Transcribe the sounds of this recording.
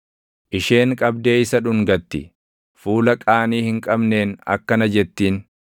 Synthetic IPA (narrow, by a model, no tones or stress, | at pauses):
ʔɪʃe̞ːŋkʼɐbd̪e̞ːɪsɐᶑʊŋɡɐt̪ːɪ | fuːlɐkʼaːniːhɪŋkʼɐbne̞ːnɐ̰kːɐnɐd͡ʒɛt̪ːiːn